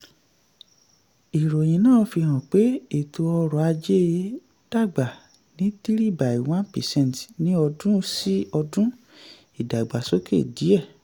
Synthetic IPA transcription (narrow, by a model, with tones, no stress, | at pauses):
i˨ɾo˨j̃ĩ˨nãː˦˨˦fi˧ɦã˨k͡pe˦e˨to˧ɔ˧ɾɔ˨a˧d͡ʒe˦ | d̥a˦˨ɡ͡ba˨ | nĩ˨˦t̪i˦ɾi˦ba˨i˨w̃ã˦pɛ˨sɛ̃˦˨n˨tnĩ˦ɔ˧dũ˦si˦ɔ˧dũ˦ | i˨da˨i˨ɡ͡ba˨so˨˦kḛ˦˨di˨˦ɛ˦˨